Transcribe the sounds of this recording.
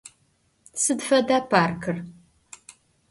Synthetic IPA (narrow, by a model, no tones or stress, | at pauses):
sɨdfɐdaːpʰaːrkʰɨr